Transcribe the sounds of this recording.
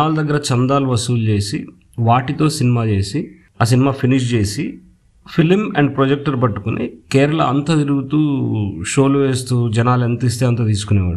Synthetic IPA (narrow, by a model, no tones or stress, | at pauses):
aːlud̪ɐɡːɐɾɐt͡ʃɐnd̪aːluʋɐsuːlt͡ʃe̞ːsi | ʋaːʈit̪o̞ːsinimaːt͡ʃe̞ːsi | aːs̬inimaːpʰiniʂt͡ʃe̞ːsi | pʰilmɛɳɖ̚pɾod͡ʒek̚ʈɐɾpɐʈːukunʔḭkɛːɾɐɭɐɐ̰nt̪ɐt̪iɾuɡut̪uːʃo̞ːlʋe̞ːst̪uːd͡ʒɐnaːlent̪ɐis̬t̪e̞ːɐnt̪ɐt̪̬iːs̬ukunɛːʋa̰ːɽu